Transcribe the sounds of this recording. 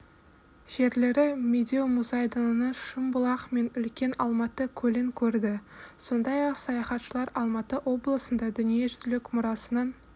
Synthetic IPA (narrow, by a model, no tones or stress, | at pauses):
ʒ̥e̞ɾle̞ɾɪmʲed̪ʲeomuzɑjd̪ənnəʃəmbʊlˠɑqme̞nʏlkʲe̞nɑlˠmɑt̪əkʲʰɵlɪŋkʲʰɵɾd̪ɪso̞nd̪ɑjɑqsɑjɑχɑt̪ʃəlˠɑɾɑlˠmɑt̪əʔwʔo̞blˠəsənd̪ɑd̪ʏnije̞ʒʏzlɪkmʊɾɑsənɑn